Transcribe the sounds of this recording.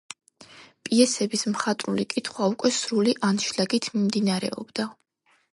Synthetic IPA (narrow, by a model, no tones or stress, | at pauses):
pʼiɛsɛbismχat̪ʼɾulikʼit̪ʰχwaukʼwɛsɾuliʔanʃlaɡit̪ʰmimd̪inaɾɛ̰ɔ̰bd̪a